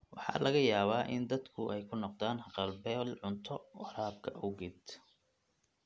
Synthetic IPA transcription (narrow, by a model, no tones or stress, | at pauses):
wɑħɑ̰ːlɐɣɐjaːβaːʔɪ̰nd̪ɐd̪kʰʊʔɛjkʰʊnɔqd̪aːnhɑqɑlbɛlʕʊnt̪ʰɔwɑɾaːb̚kʰɐʔʊɣɛd̪